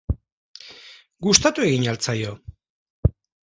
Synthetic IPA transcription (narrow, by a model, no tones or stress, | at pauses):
ɡust̪at̪ue̞ɣiɲalt͡sajo̞